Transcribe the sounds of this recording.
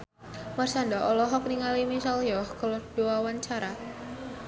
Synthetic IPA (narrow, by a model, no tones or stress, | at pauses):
marsaɳdaʔɔlɔɦɔk̚niŋalimisaljɔhkəlɔrd̥uwawaɲt͡ʃaɾa